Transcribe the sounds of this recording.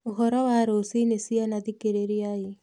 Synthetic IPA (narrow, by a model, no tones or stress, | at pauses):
oɦɔɾɔwaɾosinesianaðikeɾeɾiai